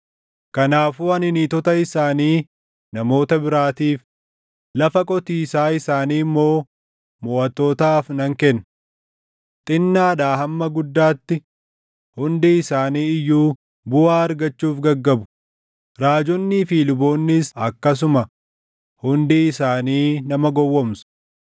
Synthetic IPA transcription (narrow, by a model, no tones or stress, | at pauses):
kɐnaːfuːɐnɪnit̪ɔt̪ɐɪsaːniː | nɐmo̞ːt̪ɐbɪɾaːt̪iːf | lɐfɐkʼɔt̪iːsaːɪsaːniːmːo̞ː | mɔːʔɐt̪ːoːt̪aːfnɐŋkɛnː | t̪ʼɪnːaːᶑ̪aːhɐmːɐɡʊd̪ːaːt̪ːɪ | hʊnd̪iɪsaːniːɪjːuː | bʊaːɐɾɡɐt͡ʃːuːfɡɐɡːɐbʊ̥ | ɾaːd͡ʒɔnːɪfiːlʊbo̞ːnːɪsɐkːɐs̬ʊmɐ | hʊnd̪iɪsaːniːnɐmɐɡɔwːɔmsʊ̥